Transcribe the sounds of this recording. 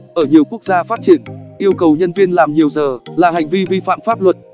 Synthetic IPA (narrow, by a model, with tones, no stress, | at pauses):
ʔəː˧˩ɲi˨˩əwku˦˥ək̚zaː˧faː˦˥t̚t͡ɕi˧˩ənʔi˧əwkə˨˩wɲə˧nvi˧ənlaː˨˩mɲi˨˩əwzəː˨˩laː˨˩ɦa˨˩jŋ̟vi˧vi˧fa̰ː˧˨mfaː˦˥p̚lwə˨˩t̚